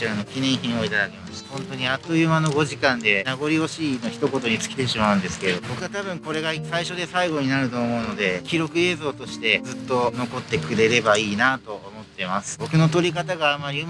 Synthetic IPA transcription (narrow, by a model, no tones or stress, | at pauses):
iɾano̞kʲinẽ̞ɰ̃çĩɰ̃o̞it̪ad̪ake̞maɕi̥t̪ahõ̞nt̪o̞ɲ̟iat̪ːojɯmano̞ɡo̞ʑikãnd̪e̞naɡo̞ɾʲio̞ɕiːno̞çi̥t̪o̞ko̞t̪o̞ɲ̟it͡sɨ̥kʲi̥t̪e̞ɕimaɯ̟̃nd̪e̞sɨ̥ke̞ɾed̪o̞bo̞kɯ̟ɡat̪abɯ̟̃ŋko̞ɾe̞ɡasaiɕo̞d̪e̞saiɡo̞ɲ̟inaɾɯ̟t̪o̞ːmo̞ɯ̟no̞d̪e̞kʲiɾo̞kɯ̟e̞ːzo̞ːt̪o̞ɕi̥t̪e̞zɨt̪ːo̞no̞ko̞t̪ːe̞kɯ̟ɾe̞ɾe̞baiːnat̪o̞omo̞t̪ːe̞masɨ̥bo̞kɯ̟no̞t̪o̞ɾʲikat̪aɡaːmaɾʲiɯm